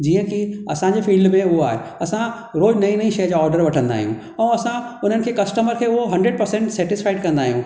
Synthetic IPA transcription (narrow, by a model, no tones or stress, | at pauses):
d͡ʑiːə̃kiɐsãɲd͡ʑeːfiːlɖmẽʊɦoa̰ːɦeɐsã | ɾoːd͡ʑnɐĩnɐĩʃɐjəd͡ʑaːɔːɾɖəɾʋɐʈʰə̃nd̪a̰ːɦḭjũ | ɛ̃ːɐsãʊn̤ənɪ̆kʰeːkɐsʈəməɾkʰeːʊɦoɦɐ̃ɳɖɾeɖ̚pɐɾsɛ̃ɳʈsɛːʈɪsfaːɪɖkɐ̃nd̪aːɦijũ